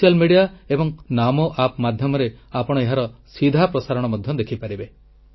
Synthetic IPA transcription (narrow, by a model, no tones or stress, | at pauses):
ijalmeɽijaebɔŋnamoʔapmad̪ʱjɔmɔɾeapɔɽ̃ɔeɦaɾɔsid̪ʱapɾɔsaɾɔɽ̃ɔmɔd̪ʱjɔd̪ekʰipaɾibe